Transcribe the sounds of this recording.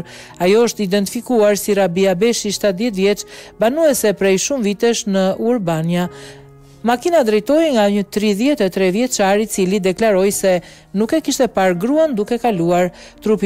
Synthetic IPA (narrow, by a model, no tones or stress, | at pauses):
ajɔəʃt̪id̪ɛnt̪ifikuaɾsiɾabiabɛʃiʃt̪at̪ðjɛt̪vjɛt͡ʃbanuɛsɛpɾɛjʃumvit̪ɛʃnəuɾbanja | makinad̪ɾɛjt̪ɔjŋɡaɲət̪ɾiðjɛt̪ɛt̪ɾɛvjɛt͡ʃaɾit͡silid̪ɛklaɾɔjsɛ | nukɛkiʃt̪ɛpaɾɡɾuand̪ukɛkaluaɾ | t̪ɾupi